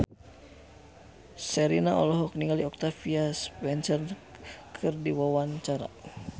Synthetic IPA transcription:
sɛɾinaɔ̰lɔɦɔk̚niŋɡaliɔk̚t̪afiaspɛnsərkʰɨrdiwawant͡ʃaɾa̰

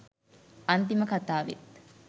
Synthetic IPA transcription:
ɐnt̪̬iməkɐt̪aːʋḛt̪

